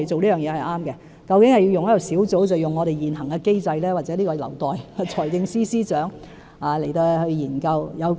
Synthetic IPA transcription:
jt͡so˨wliː˥jœː˨˩ŋjɛː˨˧hɐ˨˩jʔaː˥mkɛ˧ | kɐ˧wkɪ˨˥ŋhɐ˨ji˧wjʊ˨ŋjɐ˥jɐ˨˩wsiː˨˥wt͡so˨˥wt͡sɐ˨wjʊ˨ŋːɔː˨˧ɾe˨jjiː˨nɦɐ˨˩ŋkɛ˧ke˥jt͡sɐ˧jlɛː˥waː˨t̚t͡sɛː˨˥liː˥kɔː˧lɐ̰˨˩wt̪ɔː˨ja˨˧t͡sʰɔː˨˩jkɪ˧ŋsiː˥siː˥t͡ʃœː˨˥ŋ | aː˨˧le˨˩jt̪o˧hɵ˧jiː˨˩nkɐ˧wjɐ˨˧w

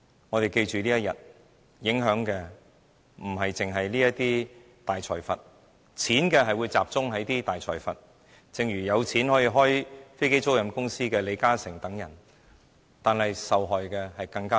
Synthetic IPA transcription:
ŋɔ˨˧t̪e˨jke˧jt͡ʃyː˨˩liː˥jɐ˥t̚jɐ̰˨t̚ | jɪ˨˥ŋɦœː˨˥ŋkɛː˧ | m̩˨˩ɦɐ˨jt͡sɪ˨˩ŋɦɐ˨jliː˥jɐ˥tt̪iː˥ | t̪aː˨jt͡ʃʰɔː˨˩jfɐ˨t̚ | t͡sʰiː˨˥nkɛː˧ɦɐ˨jwu˨˧jt͡saː˨p̚t͡sʊ˥ŋɦɐ˨˥jt̪iː˥t̪aː˨jt͡ʃʰɔ̰ː˨˩jfɐ˨t̚ | t͡sɪ˨˧ŋɥyː˨˩jɐ˨˧wt͡sʰiː˨˥nhɔ˨˥jiː˧ɦɔː˥jfe˥jke˥jt͡so˥wjɐ˨˧mkʊ˥ŋsiː˥kɛː˧le˨˧kaː˥sɪ˨˩ŋt̪ɐ˨˥ŋjɐ̰˨˩n | t̪aː˨nhɐ˨jsɐ˨wɦɔː˨jkɛː˧hɐ˨jkɐ˧ŋkaː˥

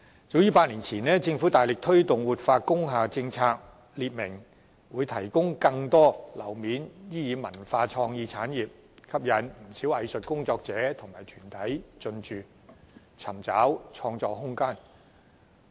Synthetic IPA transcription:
t͡so˨˥wjiː˨˧˥paː˧t̚liː˨˩nt͡sʰiː˨˩nɛː˥t͡sɪ˧ŋfu˨˥t̪aː˨jlɪ˨k̚t̪ʰɵ˥ɥt̪ʊ˨ŋwuː˨t̚faː˧kʊ˥ŋɦaː˨˧t͡sɪ˧ŋt͡sʰaː˧k̚ | liː˨˧t̚mɪ˨˩ŋ | wuː˨˧jt̪ʰɐ˨˩jkʊ˥ŋkɐ˧ŋt̪ɔː˥lɐ˨˩wmiː˨˥njiː˥jiː˨˧mɐ˨˩nfaː˧t͡ʃʰɔː˧ŋjiː˧t͡sʰaː˨˥njiː˨p̚ | kʰɐ˥p̚jɐ˨˧nm̩˨˩siː˨˥wɐ˨˧jsɵ˨t̚kʊ˥ŋt͡sɔː˧k̚t͡sɛː˨˥t̪ʰʊ˨˩ŋmaː˨˩jt̪ʰyː˨˩nt̪ʰɐ˨˥jt͡sɵ˧nt͡ʃyː˨˧ | t͡sʰɐ˨˩mt͡saː˨˥wt͡sʰɔː˧ŋt͡sɔː˧ɦʊ˥ŋkaː˥n

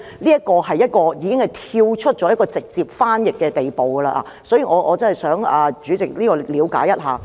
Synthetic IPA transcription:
liː˥ɐ˥t̚kɔː˧hɐ˨˩jːɐ˥t̚kɔː˧jiː˨˧kɪ˥ŋhɐ˨jt̪ʰiː˧wt͡ʃʰɵ˥t̚t͡ʃɔ˨˥jɐ˥tkɔː˧t͡sɪ˨k̚t͡siː˨˧p̚faː˥njɪ˨˩k̚kːɛː˧t̪e˨˩jpo˨wɡɐ˧la̰ː˧ʔaː˨˧sɔ˨˥jiː˨˩ŋɔː˨˧ʔɔː˨˧t͡sɐ˥hɐ˨˩jsœː˨˥ŋaː˨˩t͡ʃyː˨˥t͡sɪ˨k̚liː˥kɔː˧liː˨˧wka̰ː˨˥jːɐ˥t̚ɦaː˨˧

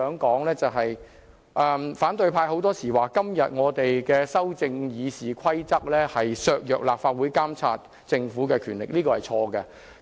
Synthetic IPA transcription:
œː˨˥ŋkɔː˨˥ŋlɛː˥t͡sɐ˨˩ɦɐ˨j | ʔɛː˨˩mfaː˨˥nt̪ɵ˧ɥpʰaː˧jho˨˥wt̪ɔː˥siː˨˩waː˨˩kɐ˥mjɐ˨t̚ŋɔː˨˧t̪e˨jkɛː˧sɐ˥wt͡sɪ˧ŋjiː˨˧siː˨˩kʷʰɐ˥jt͡sɐ˥k̚lɛː˥hɐ˨jsœː˧k̚jœː˨k̚la̰ː˨p̚faː˧t̚wuː˨˥jkaː˥mt͡sʰa̰ː˧t̚ | t͡sɪ˧ŋfuː˨˥kɛː˧kʰyː˨˩nlɪ̰˨k̚liː˥kɔː˧hɐ˨jt͡ʃʰɔː˧kɛ˧

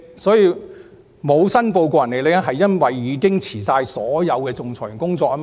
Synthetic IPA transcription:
sɔː˨˥jiː˧ | mo˨˧wsɐ˥npo˧wkɔ˧jɐ˨˩nːe˨jle˨˧a˥ɦɐ˨jːɐ˥nwɐ˨jːiː˨˧kɪ˥ŋt͡sʰiː˨˩saː˧jsɔː˨˥jɐ˨˧wkɛː˧t͡sʊ˨ŋt͡sʰɔː˨˩jɪ˨˩ŋkʊ˥ŋt͡sɔː˧k̚aː˥m

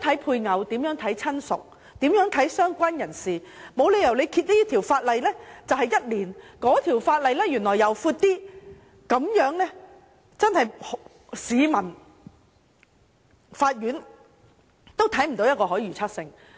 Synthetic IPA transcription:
t̪ʰɐ˨˥jpʰuː˧jŋɐ˨˧wt̪iː˨˥mjœː˨˥ŋt̪ʰɐ˨˥jt͡sʰɐ˥nsʊ̰˨k̚ | t̪iː˨˥mjœː˨˥ŋt̪ʰɐ˨˥jsœː˥ŋkʷa˥njɐ˨˩nsiː˨ | mo˨˧wle˨˧jɐ˨˩wle˨˧jkʰiː˧t̚liː˥t̪ʰi˨˩wfaː˧t̚lɐ˨jlɛː˥t͡sɐ˨wɦɐ˨jɐ˥t̚liː˨˩nkɔː˨˥t̪ʰiː˨˩wfaː˧t̚lɐ˨jlɛː˥jyː˨˩nlɔː˨˩jɐ˨˩wfuː˧t̚t̪iː˥ | kɐ˨˥mjœː˨˥ŋlɛː˥ | t͡sɐ˥nhɐ˨jh | siː˨˧mɐ˨˩n | faː˧t̚jyː˨˥n | t̪o˥wt̪ʰɐ˨˥jm̩˨˩t̪o˨˧wjɐ˥t̚kɔː˧ɦɔː˨˥jyː˨t͡sʰɐ˥t̚sɪ˧ŋ

